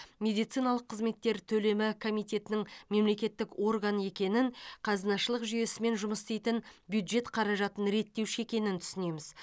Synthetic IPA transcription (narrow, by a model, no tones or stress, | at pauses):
mʲe̞d̪ijt̪sɨjnɑlˠəqʰːəzme̞t̪ːe̞ɾt̪ʰɵle̞mɪkʰo̞mijt̪ʲe̞t̪ɪnɪŋme̞mle̞kʲe̞t̪ːɪkwo̞rɡane̞kʲe̞nɪŋqʰɑzənɑʃəlˠəqʒʏje̞sɪme̞nʒʊməst̪ejt̪ɪnbjud̪ʒe̞t̪qʰɑɾɑʒɑt̪ənɾe̞t̪ːe̞wʃe̞kʲe̞nɪnt̪ʰʏ̥sɪne̞jmɪz̥